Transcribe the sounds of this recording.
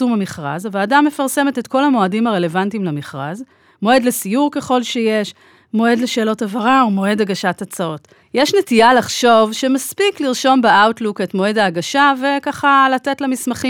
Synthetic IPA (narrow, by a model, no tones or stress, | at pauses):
umamiχʁa̰zveːdamːe̞faʁse̞metetko̞lamo̞adimaʁe̞le̞vantimlamiχʁaz | mo̞e̞dlesijuʁke̞χo̞lʃejeʃ | mo̞e̞dleʃe̞ːlo̞tavaʁaomo̞e̞daɡaʃatat͡sao̞t | jeʃnetijalaχʃo̞vʃemaspikliʁʃo̞mbeawtluketmo̞e̞daːɡaʃave̞kaχalatetlamismaχi